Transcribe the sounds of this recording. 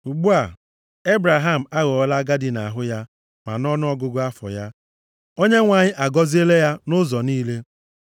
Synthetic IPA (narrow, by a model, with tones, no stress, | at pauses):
u˨ɡ͡bu˦a˨ | e˦bɾa˨ɦa˦˨m̩˨a˦ɣɔ˨ɔ˦la˦ɡa˦dɪ˨na˨ɦʊ˦ja˦ | ma̰˨nɔ˦nʊ˦ɔ˦ɡʊ˦ɡʊ˦a˦fɔ̰˨ja˦ | o˦ɲe˦ŋʷa˨ɲɪ˦ʔa˨ɡɔ˦zi˦e˦le˦ja˦nʊ˦zɔ˨niː˦le˦